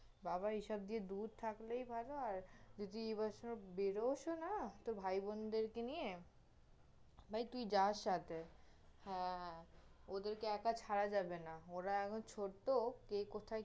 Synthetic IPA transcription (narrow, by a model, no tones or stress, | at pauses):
baβaiʃɔb̚d̪ied̪ud̪̚t̪ʰaklejbʱaloaɾd͡ʑod̪iebaʃonobeɾoʃonat̪obʱajbond̪eɾkenije | bʱajt̪ujd͡ʑaʃat̪ʰe | hɛ̃ | od̪eɾkeɛkat͡ɕʰaɾad͡ʑabenaoɾaɛkʰont͡ɕʰoɾt̪okekot̪ʰaj